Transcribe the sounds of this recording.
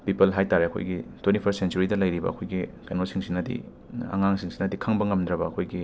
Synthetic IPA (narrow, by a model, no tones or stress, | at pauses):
pipɐlɦajtaɾeɐkʰo̰jɡitwentipʰɐssent͡ʃuɾidɐlɐjɾibɐ̰ɐkʰojɡikajnosiŋsinɐdḭ | a̰ŋaŋsiŋsinɐdikʰaŋbɐŋɐmd̪ɾɐbɐːkʰojɡi